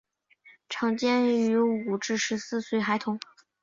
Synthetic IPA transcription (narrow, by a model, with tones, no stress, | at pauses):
ʈ͡ʂʰɑ˧˥ŋt͡ɕjɛ˥ny˧˥u˨˩ʈ͡ʂɻ̩˥˩ʂɻ̩˧˥sɹ̩˥˧swe˥˩ɪxa˧˥ɪt̪ʰʊ˧˥˦ŋ